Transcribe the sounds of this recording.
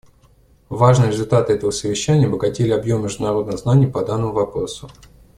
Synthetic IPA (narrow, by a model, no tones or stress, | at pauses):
vaʐnɨjəɾʲɪzʊlʲt̪at̪ɨɛt̪əvəsəvʲɪɕːænʲɪjəbəɡɐtʲelʲɪɐbjo̞mːʲɪʐd̪ʊnɐɾo̞d̪nəmznanʲɪjəpɐd̪anːəmʊvɐpɾo̞sʊ